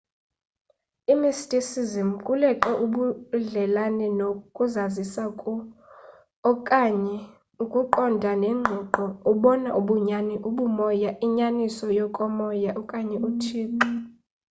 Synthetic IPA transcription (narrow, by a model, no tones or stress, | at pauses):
imistʼisizimkʼulɛǃɛʔuɓuɮɛlanɛnokʼuzazisakʼ | kʼaɲɛ | ukʼuǃɔndʱanɛŋ͡ǃʱɔǃɔuɓɔnaʔuɓuɲaniʔuɓumɔjaʔiɲanisɔjɔkʼɔmɔjaʔɔkʼaɲɛʔutʰiːǃi